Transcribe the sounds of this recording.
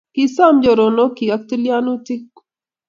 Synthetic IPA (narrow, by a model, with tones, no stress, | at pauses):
ki˨sa˦md͡ʒo˨ɾo˨no˦ki˨a˦k̚t̪i˦lja˦nu˦t̪i˦k